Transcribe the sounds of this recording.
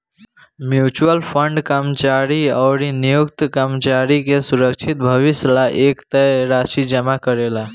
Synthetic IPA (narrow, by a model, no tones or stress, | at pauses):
mjut͡ʃuəlpʰəɳɖkəmt͡ʃaɾiaʊɾinijukt̪kəmt͡ʃaɾikesuɾəkt͡ʃʰit̪̚bʱəʋislaʔekt̪əɾasid͡ʒəmakəɾela